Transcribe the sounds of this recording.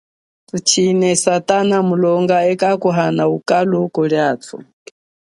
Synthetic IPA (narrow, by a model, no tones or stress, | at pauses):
tut͡ʃʰinɛsat̪ʼanamulɔŋɡaɛkakuɦanaukʼalukɔɺiaːtʰṵ